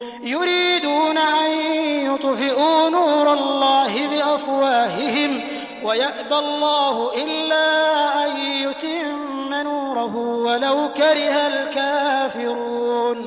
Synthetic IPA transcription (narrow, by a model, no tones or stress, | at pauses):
jʊɾiːd̪uːnaʔanjʊt̪ˤfɪʔuːnuːɾˤɑlːɑːɦɪbɪʔafwaːhɪhɪm | wajaʔd̪alˤːɑːhʊʔɪlːaːʔajːʊt̪ɪmːanuːɾˤɑɦʊwalawkaɾɪhalkaːfɪɾuːn